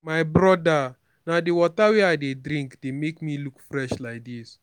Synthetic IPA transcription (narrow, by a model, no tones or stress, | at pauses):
majbɾɔda | nadewɔtawɛaɪdedɾĩŋkdemekmilukfɾɛʃlajk̚dis